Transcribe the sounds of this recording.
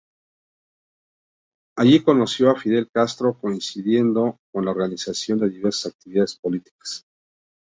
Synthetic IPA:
aʝiko̞no̞sjo̞afiðe̞lkast̪ɾo̞ko̞insiðje̞nd̪o̞ko̞nlaoɾɣanisasjo̞nd̪e̞ðiβe̞ɾsḁsak̚t̪iβiðaðespo̞lit̪i̥kḁs

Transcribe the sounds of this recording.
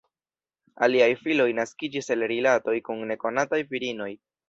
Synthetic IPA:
a̰liajfilo̞jnaskid͡ʒise̞lɾilato̞jkunːe̞ko̞natajviɾino̞j

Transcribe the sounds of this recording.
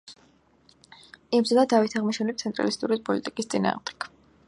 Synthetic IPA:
imzad̪ad̪avit̪ʰaʁmiʃɛnipt̪sʰɛnt̪ʼɾa̰list̪ʼuɾipʼɔlit̪ʼikʼist̪sʼina̰ːʁmd̪ɛ̥kʰ

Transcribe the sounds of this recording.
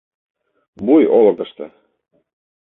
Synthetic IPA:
bujolɤ̆k̪ɤ̆ʃt̪ɤ̰̆

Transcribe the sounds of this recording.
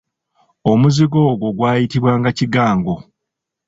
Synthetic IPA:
o̞muziɡo̞ːɡo̞ɡwaːjitiβwaːŋɡaciɡaːŋɡo̞

